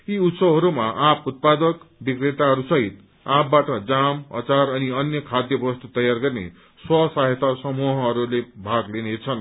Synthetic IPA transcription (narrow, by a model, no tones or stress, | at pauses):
iut̪sʌɦʌɾumaʔãput̪̚pad̪ʌkbikret̪aɦʌɾusʌɦit̪ | ãpbaʈʌd͡zamʌ̰t͡sarʌniʌnjʌkʰad̪jʌbʌst̪ut̪ʌjarɡʌrnḛ | swʌsaɦet̪asʌmuɦʌɦʌɾulebʱaɡlenet͡sʰʌn